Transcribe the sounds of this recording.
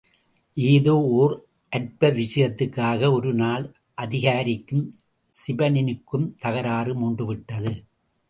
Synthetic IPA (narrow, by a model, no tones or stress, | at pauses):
ʔeːðoːoːr | ʔɐʈ̚pɐʋɪʂɐjɐt̪ːɯkːaːɣɐɔɾɯnaːl | ʔɐðɪɣaːɾɪkːɯm | sɪbɐnɪnɯkːɯmt̪ɐɣɐɾaːrɯmuːɳɖɯʋɪʈːɐðɯ